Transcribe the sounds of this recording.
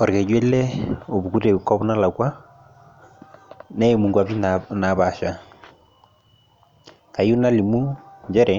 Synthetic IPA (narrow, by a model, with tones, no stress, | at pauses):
ɔ˨ɾke˨d͡ʒwe˦lːɛ˦o˨bu˨ku˦te˨u˨kːɔ˦bna˦la˨kwa˦ | nɛ˦e˨mu˨ŋɡwa˨bi˦nna˨βa˨ʃa˨ | ka˨ju˦na˦li˨mu˦ɲd͡ʒɛ˦ɾɛ˨